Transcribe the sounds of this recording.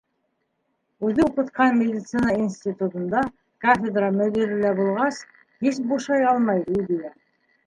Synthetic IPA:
ʉðɘuqɤ̆t̪qɑnmʲedʲɪt̪sɨnɑinsʲtʲit̪ut̪ŭnd̪ɑ | kafʲed̪rɑmɵ̆d̪iɾɘlæbulˠʁɑs | hisbuʃɑjɑlˠmɑjid̪ijæ

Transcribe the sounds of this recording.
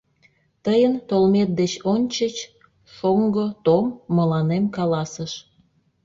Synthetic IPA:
t̪əjənt̪olmet̪̚d̪et͡ɕonʲt͡ɕət͡ɕ | ʃoŋɡot̪omːəlɑnemkɑlɑsəʃ

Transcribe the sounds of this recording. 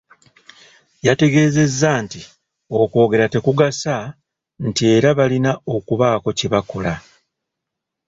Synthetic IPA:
jate̞ɡe̞ːze̞zːaːnti | o̞kwo̞ːɡe̞ɾate̞kuɡasa | ntie̞ːɾaβalinao̞kuβaːko̞ceβako̞la

